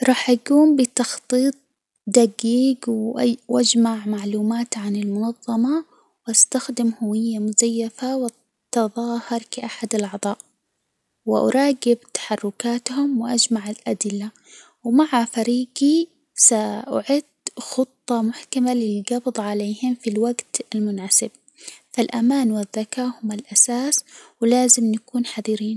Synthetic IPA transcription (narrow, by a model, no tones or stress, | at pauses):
ɾˤɑːħʔaɡuːmbɪt̪ɑxt̪ˤiːt̪̚ˤ | d̪aɡiːɡwwʔad͡ʒmaʕmaʕluːmaːt̪ʕanɪlmʊnɑðˤːɑmɑ | wʔast̪axd̪ɪmhʊwɪjːamʊzajːafawɪ | t̪ɑðˤɑːhɑɾˤkaʔaħad̪alʔɑʕd̪ˤɑːʔ | wɪʔɑ̰ɾˤɑːɡɪbt̪ḁħɑrˤːʊkaːt̪hʊmwɪʔad͡ʒmaʕɪlʔad̪ɪlːa | wmaʕafaɾiːɡi | saʔʊ̰ʕɪd̪̥xʊt̪ˤːɑmʊħkamalɪlɡɑbd̪ˤʕaleːhɪmfilwaɡt̪ɪlmʊnʕasɪb̚ | falʔamaːnwɪðːakaːhʊmɪlʔasaːswlaːzɪmnakuːnħaðiɾiːn